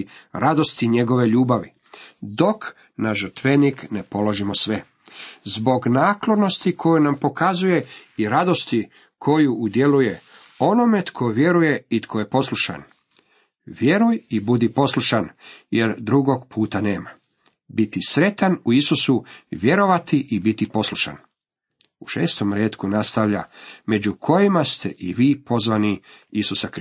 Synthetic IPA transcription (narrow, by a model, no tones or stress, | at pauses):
ɾʔad̪o̞st̪iɲe̞ɡo̞ʋe̞ʎuːbaʋḭ | d̪o̞k | naʒr̩t̪ʋenikne̞po̞lo̞ʒimosʋe̞ | zbo̞ɡnaːklˠono̞st̪ikʰo̞junampo̞kazuje̞iɾad̪o̞st̪i | kʰo̞juːd̪jeluje̞ | o̞no̞me̞t̪kʰoʋje̞ɾuje̞it̪kʰo̞je̞po̞slˠuʃa̰n | ʋje̞ɾujibud̪ipo̞slˠuʃanjeɾd̪ɾuɡo̞ɡpʰuːt̪ane̞ːma | bit̪isɾe̞t̪anuisusuʋje̞ɾo̞ʋat̪iʔibit̪ipo̞slˠuʃa̰n | uʃeːst̪o̞mɾeːt̪kunast̪aʋʎame̞d͡ʑukʰo̞jimast̪ḛʔḭʋiːpo̞zʋaniisusak